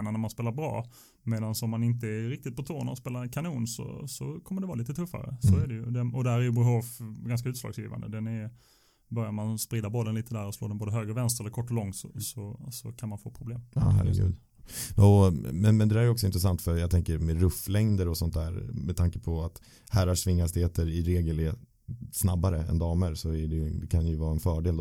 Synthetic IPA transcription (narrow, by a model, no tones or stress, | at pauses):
nanæɾmanspeːlaɾbɾɑ̰ː | meːd̪ansɔmːanɪnt̪əɛɾɪkt̪ɪt̪̚pʰɔt̪ʰoːna̰ɔspeːlaɾkʰanuːnsɔ̰sɔkʰɔmːəɖɛvɑ̰ːliːt̪ət̪ʰɵfːa̰ɾə̰sɔæɖɛjɵd̪ɛɔd̪ɛhæːɾæɾjɵbʊɦofɡanskaʉ̟t̪slɑ̰ɡsjḭːva̰nd̪ə̰d̪ɛnɛɾ | bœɾjaɾmanspɾiːd̪aɾbɔlːənliːt̪əd̪æːɾɔslo̰ːd̪ɛnboːd̪əɦøːɡɾəvɛnst̪ɾɛlːɾkɔʈːɔlɔŋːsɔ̰sɔsɔkʰanmanfoːpʰɾʊbleːm̰ːhæ̰ɾɛ̰ɡʉ̟̰ːd̪ | ɔmɛnmɛnd̪ɛd̪æɾɛjəɔksɔɪnt̪ɾɛsant̪fœɾjat̪ʰɛŋkəɾmɛɾɵfːlɛŋd̪əɾɔsɔnt̪dæːɾmɛt̪ʰaŋkə̥pʰɔat̪ | hæːɾaʂvɪŋːast̪ɪheːt̪ʰəɾɪɾeːɡəlɛ | snabːaɾəɛ̰nd̪ɑːməɾsɔæɖɛjɵd̪ɛkʰanjɵvɑːɛnfœːɖeːld̪